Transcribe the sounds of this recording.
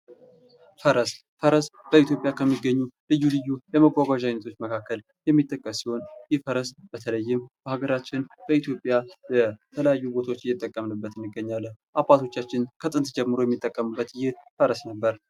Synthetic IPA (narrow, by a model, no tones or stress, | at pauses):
fəɾəs | fəɾəsb̥əit̪jo̞pʼjakʰəmːiɡːəɲːulɨjːulɨjːujɛməɡʷaɡʷaʒajnət̪ʰo̞t͡ʃːməkʰakːəl | jɛmːit̪ʼːəkʼːəssiho̞njɪfəɾəsb̥ət̪ʰələjːɪmb̥əhaɡəɾat͡ʃːɪnb̥əit̪jo̞pʼːjabət̪ʰələjajːubo̞t̪ʰaot͡ʃːɪjɛt̪ʼːəkʼːəmnɨbːət̪ɨnɨɡːəɲːalːəʔabʼat̪ʰo̞t͡ʃːat͡ʃːɪnkʰət̪ʼɨnt̪d͡ʒɛmːɨɾo̞jɛmːit̪ʼːəkʼːəmɨbːət̪jːɪfəɾəsnəbːəɾ